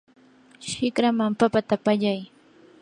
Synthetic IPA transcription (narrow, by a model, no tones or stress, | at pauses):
ʃɪkɾamampapat̪apaʎaj